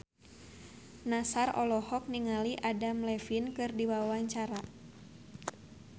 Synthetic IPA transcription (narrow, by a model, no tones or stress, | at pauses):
nasarɔ̰lɔhɔk̚niŋaliʔadamlɛfinkɨrdiwawaɲt͡ʃaɾa